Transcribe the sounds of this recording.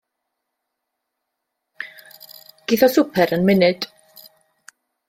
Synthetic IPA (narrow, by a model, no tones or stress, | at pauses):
ɡ̥ɪθɔsʊpʰɛɾənmɪnɨd̥